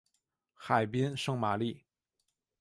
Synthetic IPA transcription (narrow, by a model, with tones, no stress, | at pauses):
xa˨˩ɪpi˥nʂɤ˥˧ŋma˨˩li˥˩